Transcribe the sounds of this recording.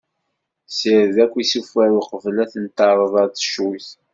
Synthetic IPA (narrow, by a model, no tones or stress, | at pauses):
səɾðækʷːisufæɾqəvəlæθənt̪ɑɾˤəðˤɑɾt͡sːə̥ʃuθ